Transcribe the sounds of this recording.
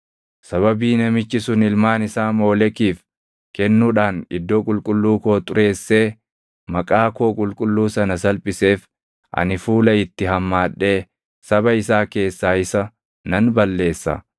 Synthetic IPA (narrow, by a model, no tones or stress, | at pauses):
sɐβɐbiːnɐmɪt͡ʃːɪsʊnɪlmaːnɪsaːmo̞ːlɛkiːf | kɛnːuːᶑaːnɪd̪ːo̞ːkʼʊlkʼʊlːuːko̞ːt̪ʼʊɾʔe̞ːsːe̞ː | mɐkʼaːkoːkʼʊlkʼʊlːuːsɐnɐsɐlpʼɪse̞ːf | ʔɐ̰nɪfuːlɐɪt̪ːɪɦɐmːaːᶑːe̞ː | sɐbɐɪsaːke̞ːsːaːɪsɐ | nɐnbɐlːe̞ːsːɐ̰